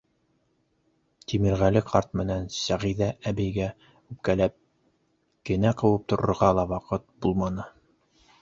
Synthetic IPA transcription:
t̪imɘ̆ɾʁælɘqʰɑɾt̪̚mɘ̆nænsæʁiðææbɘ̆jɡæ | ʉp̚kælæp̚ | kɘ̆næqɤ̆wɤp̚t̪ŏɾɤ̰̆ɾʁɑlˠɑwɑqɤt̪̚bulˠmɑnɤ

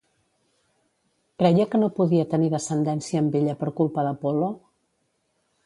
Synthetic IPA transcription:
kɾɛjəkənopuðiət̪əniðəsənd̪ɛnsiəːmbeʎəpəɾkulˠpəðəpolo

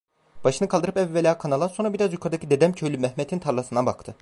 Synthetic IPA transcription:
b̥aʃɯnɯkʰalˠd̪ɯɾɯpɛvːelʲaːkʰanalˠaso̞nɾabiɾazjukʰaɾd̪acʰid̪e̞d̪ɛmcʰølʲymɛhmɛt̪ʰint̪ʰaɾlˠasɯnd̪anbakt̪ʰɯ

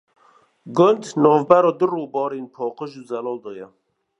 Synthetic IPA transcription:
ɡʊnd̪nɔːvbæɾɔːd̪ɨroːbɔːɾeːnpʰɔːqəʒuzɛlɔːld̪ɔːjɛ

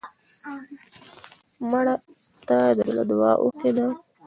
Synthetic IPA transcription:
maɽa | t̪ad̪əd̪ala̰d̪wɑ̰ʔoked̪a

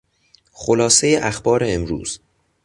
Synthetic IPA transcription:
xolɒːse̞jeʔæxbɒːɾe̞emɾṵːz̥

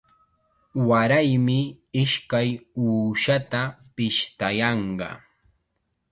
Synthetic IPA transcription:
waɾajmɪ | ɪʃkajuːʃat̪apɪʃt̪ajɑɴɢɑ̰

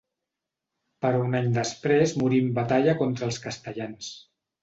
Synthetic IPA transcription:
pəɾunaɲd̪əspɾezmuɾimbət̪aʎəkɔnt̪ɾəːlˠskəst̪əʎans

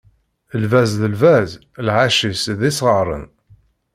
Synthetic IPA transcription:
əlvæzðəlvæz | lʕaʃisðisʁəɾˤə̰n

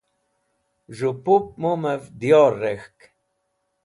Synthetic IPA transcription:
ʒupup̚muməvd̪jorexk

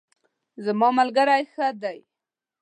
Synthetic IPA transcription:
zamɑmalɡaɾajxəd̪aj

